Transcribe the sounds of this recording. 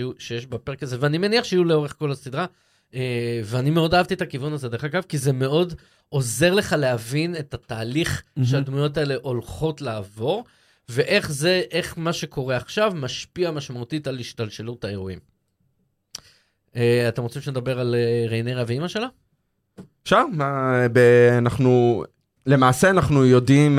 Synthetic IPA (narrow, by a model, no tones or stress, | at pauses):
juʃejeʃbapeʁekazeveanimeniaχʃeijuleo̞ʁeχko̞lasid̪ʁa | eveanime̞o̞daavt̪iet̪akivunazedeχaɡavkizeme̞o̞d | ʔo̞ze̞ʁle̞χaleɦavine̞tat̪aːliχʃead̪mujo̞tae̞le̞ʔo̞lχo̞tlaːvo̞ʁ | ve̞ʔe̞χze̞ʔe̞χmaʃe̞ko̞ʁe̞aχʃavmaʃpiamaʃmaut̪italiʃtalʃelutaeʁuim | eat̪e̞mʁt͡simʃened̪abe̞ʁaleʁejnejʁaviimaʃe̞la | ʃamabeanaχnu | le̞maːseanaχnujo̞dim